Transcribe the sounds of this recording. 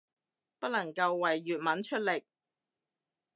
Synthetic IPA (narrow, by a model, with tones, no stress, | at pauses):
pɐ˥lɐ˨˩ŋkɐ˧wːɐ˨˩jːyː˨t̚mɐ˨˥nt͡ʃʰɵ˥t̚lɪ˨˩k̚